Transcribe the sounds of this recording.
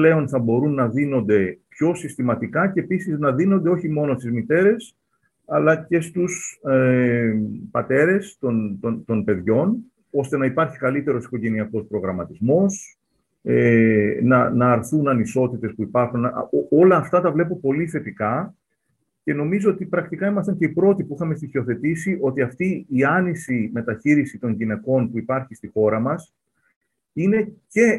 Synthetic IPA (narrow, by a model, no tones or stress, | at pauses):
le̞o̞nθɐbo̞ɾunːɐðino̞nd̪e̞pço̞sist̪imɐt̪ikɐcepisiznɐðinond̪eo̞çimo̞no̞st̪izmit̪e̞ɾe̞s | ɐlɐce̞st̪us | pɐt̪e̞ɾe̞st̪o̞nt̪ot̪o̞npe̞ðʝo̞n | o̞st̪e̞nɐipɐɾçikɐlit̪e̞ɾo̞si̥ko̞ʝe̞niɐko̞spɾo̞ɣɾɐmɐt̪izmo̞s | enɐnɐːɾθunɐniso̞t̪it̪e̞spuipɐɾxuno̞lɐːft̪ɐt̪ɐvle̞pupo̞liθe̞t̪ikɐ | ce̞no̞mizo̞ot̪ipɾɐk̚t̪ikɐimɐst̪ɐɲce̞ipɾo̞t̪ipuixɐme̞st̪içio̞θe̞t̪isiʔo̞t̪iɐft̪iːɐnisime̞t̪ɐçiɾisit̪o̞ɲʝine̞ko̞npuipɐɾçist̪ixo̞ɾɐmɐs | ine̞ce̞